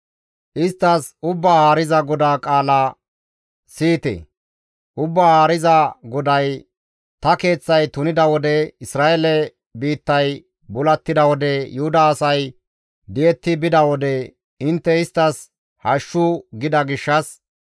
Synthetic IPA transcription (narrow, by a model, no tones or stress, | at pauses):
ʔɪst̪ːɐsʊbːaːhaːɾɪzɐɡɔd̪aːkʼaːla | siːt̪ɛ̰ | ʔʊbːaːhaːɾɪzɐɡɔd̪ɐj | t̪ɐke̞ːt͡sːɐjt̪ʊnɪd̪ɐwɔd̪ɛɪsɾaːɛlɛ | biːt̪ːɐj | bʊlɐt̪ːɪd̪ɐwɔd̪ɛjʊhʊd̪aːsɐj | d̪ɪjɛt̪ːɪbɪd̪ɐwɔd̪ɛ | ɪnt̪ːɛɪst̪ːɐs | hɐʃːʊɡɪd̪ɐɡɪʃːɐs